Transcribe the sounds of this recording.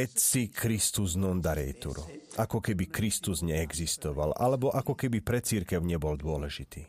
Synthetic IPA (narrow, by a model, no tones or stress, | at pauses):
ɛtsikʰɾist̪uznɔnd̪aɾɛ̰jt̪ṵɾṵʔakɔkɛbikɾist̪uzɲɛɛɡzist̪ɔʋa̰lʔa̰lɛbɔʔakɔkɛbipɾɛt͡siɾkɛʊɲɛbɔld̪ʊɔlɛʒit̪iː